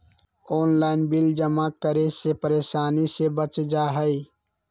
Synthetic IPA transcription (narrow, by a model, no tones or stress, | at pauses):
oːnlaːɪnbild͡ʒəmakəɾesepəɾeːʃaːnisebət͡ʃd͡ʒaːɦəi